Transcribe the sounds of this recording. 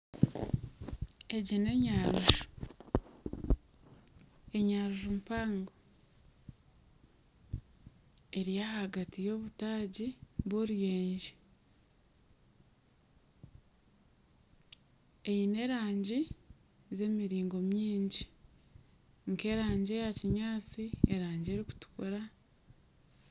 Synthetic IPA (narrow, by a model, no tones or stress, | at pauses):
e̞ɟine̞ɲaɾuʒu | e̞ɲaɾuʒumpaːŋɡo | e̞ɾijahaɡatijo̞ːβutaːɟiβoɾijeːɲʒi | ejine̞ɾaːɲɟi | ze̞miɾiːŋɡo̞mjiːɲɟi | ŋke̞ːɾaːɲɟe̞jaciɲaːt͡sieɾaːɲɟie̞ɾiku̥tu̥kuɾa